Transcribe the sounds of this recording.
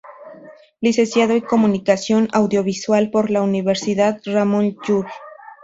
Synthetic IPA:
lise̞nsjaðo̞iko̞mũnikasjo̞nawðjo̞βiswalpo̞ɾlauniβeɾsiðaðramõnd͡ʒuɾ

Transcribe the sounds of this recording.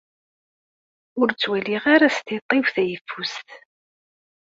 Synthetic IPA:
ʊɾt͡sːwæliʁaɾast̪it̪ˤːɪwθæjəfːust̪

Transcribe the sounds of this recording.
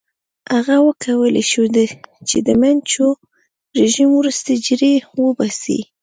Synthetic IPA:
haɣawəkʰawəleʃud̪ət͡ʃed̪əmant͡ʃo | ɾeʒimwɾust̪ad͡ʒɾewəbasḭ

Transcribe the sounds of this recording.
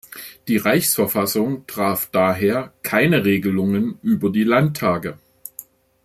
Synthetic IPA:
d̥iːʁaɪçsfɛɐfasʊŋtʁ̥aːfd̥aːɦeːɐkʰaɪnəʁeːɡəlʊŋənʔyːbɐdiːlantʰːaːɡə

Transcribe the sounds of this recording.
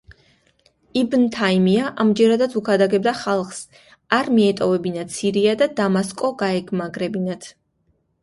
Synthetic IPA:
ibnt̪ʰaimiaʔamd͡ʒɛɾad̪at̪sʰukʰad̪aɡɛbd̪aχalˠχs | aɾmiɛt̪ʼɔvɛbinat̪sʰiɾiad̪ad̪amaskʼɔɡaɛɡʰmaɡɾɛbinat̪ʰ

